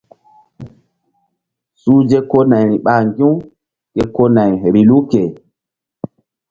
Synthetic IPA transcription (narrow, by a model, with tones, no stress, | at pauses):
su˦d͡ʒe˦ko˦na˨jɾi˨ɓa˨ŋɡĩ˦w | ke˦ko˦na˨jɾi˨lu˦ke˨